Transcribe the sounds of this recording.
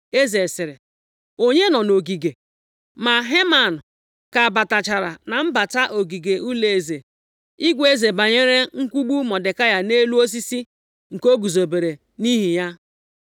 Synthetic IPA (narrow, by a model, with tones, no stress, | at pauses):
e˦ze˨sɪ˨ɾɪ˨ | o˦ɲe˦nɔ˨no˨ɡi˨ɡe˨ | ma˨ɦe˦ma˨n˨ | ka˨ba˨ta˨t͡ʃa˨ɾa˨na˨m̩˦ba˨ta˦ʔo˨ɡi˨ɡe˨ʔu˦le˨e˨ze˨ | i˦ɡʷe˦ze˨ba˨ɲe˦ɾe˦ŋ̩˦kʷu˦ɡ͡bu˦mɔ˨de˨ka˦ja˨ne˦lu˦o˦s̬i˦si˦ | ŋ̩˨ko˦ɡu˨zo˨be˨ɾe˨ | ni˦ɦi˨ja˦